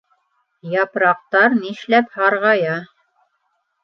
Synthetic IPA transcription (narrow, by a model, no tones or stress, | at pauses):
jɑpɾɑq̚t̪ɑɾniʃlæphɑɾʁɑjɑ